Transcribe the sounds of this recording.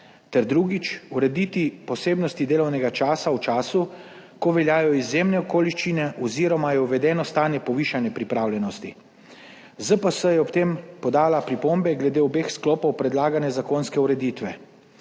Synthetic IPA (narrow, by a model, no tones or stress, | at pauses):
t̪ɛɾd̪ɾuɡit͡ʃuɾɛd̪it̪ipɔseːbnɔst̪id̪eːlɔwnɛɡat͡ʃaːsawt͡ʃaːsu | kɔʋɛljaːjɔizjemnɛɔkoːliʃt͡ʃinɛʔɔziɾɔmajɛuʋɛd̪ɛːnɔst̪aːnjɛpɔʋiʃanjɛpɾipɾawljɛnɔst̪i | zəpəsəjɛɔpt̪empɔd̪aːlapɾipombɛɡlɛd̪eːɔbexsklɔːpɔwpɾɛd̪laːɡanɛzakoːnskɛuɾɛd̪it̪ʋɛ